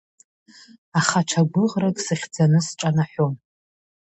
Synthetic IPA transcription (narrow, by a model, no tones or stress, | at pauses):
aχaʈ͡ʂʷʰaɡʷʊʁrakʼsɨχʲd͡zanɨsʈ͡ʂʼanaħʷom